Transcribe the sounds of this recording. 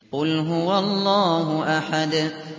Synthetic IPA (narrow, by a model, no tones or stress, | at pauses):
qʊlɦʊwalˤːɑːɦʊʔaħad̪